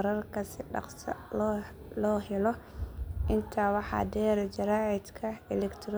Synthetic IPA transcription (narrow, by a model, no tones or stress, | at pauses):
ɾɐrkʰɐsɪɖɑ̰qsɐ̰lɔ | lɔːɦɛlɔʔɪnt̪ʰaːwɑħɑ̰ːd̪ɛːɾd͡ʒɐɾaːʕɪd̪kʰɐɛlɛkt̪ʰɾ